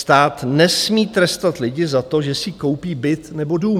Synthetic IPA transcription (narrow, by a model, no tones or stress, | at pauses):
st̪aːt̪nɛsmiːt̪ɾɛst̪at̪lɪɟɪzat̪o̞ʒɛsɪko̞wpiːbɪt̪nɛbo̞duːm